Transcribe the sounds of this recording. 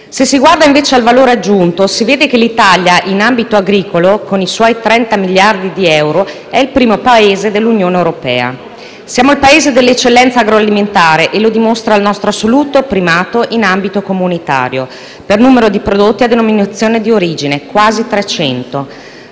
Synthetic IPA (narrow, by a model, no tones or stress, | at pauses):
sesːiɡward̪aĩɱveːt͡ʃealvaloːɾead͡ʒːunt̪osiveːd̪ekelit̪aljaʔinambit̪oaɡɾiːkolokoniswɔjt̪ɾɛnt̪amiljard̪id̪iɛwɾo | ɛilpɾiːmopaeːzed̪elːunjoːneewɾopɛ̰ːa̰ | sjaːmoilpaeːzed̪elːet͡ʃːelːɛnt̪saːɡɾoaliment̪aːɾeʔelod̪imost̪ɾaːlnɔst̪ɾoasoluːt̪opɾimaːt̪oʔinambit̪okomunit̪a̰ːɾjo | pernuːmeɾod̪ipɾod̪ot̪ːiad̪ːenominat̪sːjoːned̪ioɾiːd͡ʒinekwaːzit̪ɾet͡ʃɛnt̪o